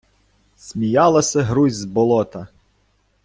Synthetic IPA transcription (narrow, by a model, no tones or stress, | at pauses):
sʲmʲijɑlˠɐsʲɐɦɾuzʲzbɔlˠɔt̪ɐ